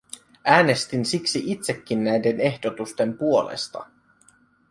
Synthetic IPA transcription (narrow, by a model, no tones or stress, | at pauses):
æːne̞st̪insiksiʔit̪se̞kːinːæjde̞ne̞hd̥o̞t̪ust̪e̞mpuo̞lḛst̪ɑ̰